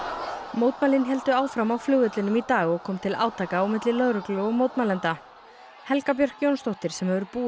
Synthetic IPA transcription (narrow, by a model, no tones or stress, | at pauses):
mowt̪maːlɪnɦɛl̪t̪ʏaːwfɾamawflʏɣʏt̪lɪnʏmit̪aːɣɔɣkʰɔːmt̪ʰɪla̰ːwt̪ʰaːkaːwmɪt̪lɪlœðɾʏklʏɔɣmowt̪malɛnt̪a | hɛlkap̬jœr̥kjownst̪owht̪ɪɾ̥sɛmhɛvʏɾpuː